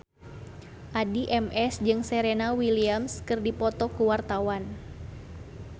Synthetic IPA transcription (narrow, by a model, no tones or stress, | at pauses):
ʔadiʔɛmɛsd͡ʒɨŋsɛɾenawiliamskɨrdipɔt̪ɔkuwart̪awan